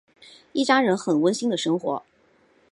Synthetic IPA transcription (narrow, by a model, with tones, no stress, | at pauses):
i˥˩t͡ɕja˥ɻə˧˥nxə˨˩nwə˥nɕi˥ŋd̪ə˨ʂɤ˥ŋxwɔ̰˧˥